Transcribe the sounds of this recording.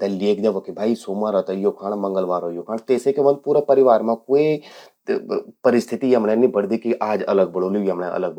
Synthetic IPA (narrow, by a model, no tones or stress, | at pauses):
t̪ɛleːkd͡ʒaʋokibʱaːisoːmãɾɔt̪ajoːkʰãːɽmɐ̃ŋɡəlʋaːɾojoːkʰãːɽ̃t̪eːsekeʋə̃n̚puːɾapɐɾɪʋaːɾmãkoːi | pɐɾɪst̪ʰɪt̪iɦɐmnẽnĩbəɽ̤d̪ikiʔaːd͡ʒɐ̰ləɡ̚bɐɽoːliiɦəmneʔɐ̰ləɡ̚